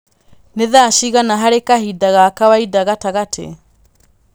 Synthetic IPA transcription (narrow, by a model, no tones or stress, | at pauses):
neðaʃiɣanaɦaɾekahidaɣakawaidaɣataɣatʰḛ